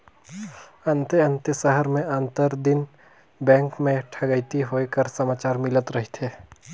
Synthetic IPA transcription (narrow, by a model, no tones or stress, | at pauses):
ɐ̃nt̪eɐ̃nt̪əsəɦəɾmẽãnt̪əɾd̪ɪn | bɛ̃ːŋkmẽʈʰəɡəit̪iɦoːekəɾsəmaːt͡ʃaːɾmɪlət̪ɾɐɦit̪ʰeː